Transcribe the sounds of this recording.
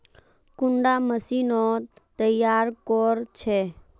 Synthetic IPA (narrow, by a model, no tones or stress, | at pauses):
kʊɳɖaməsinot̪əjːaɾkɔɾt͡ʃʰe